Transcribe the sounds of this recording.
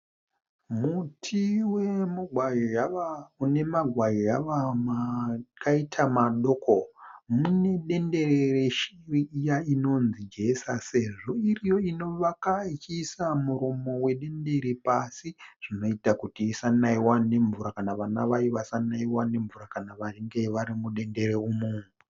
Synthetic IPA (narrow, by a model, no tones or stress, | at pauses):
mutʰiwemuɡwaaune̞maɡʱwajojaʋamakʰaitʰamaɗo̞komune̞ɗe̞nde̞rereʃiriːjaino̞nzid͡ʒʱe̞sase̞ʐo̞irijo̞ino̞ʋakait͡ʃiːsamuɾomo̞we̞ɗe̞nde̞ɾepasiʐ̥ino̞itakutiːsanaiwane̞ɱvuɾakanaʋanaʋaiʋasanaiwane̞ɱvuɾakanaʋaiŋɡe̞ʋaɾimuɗe̞nde̞ɾeumuːmu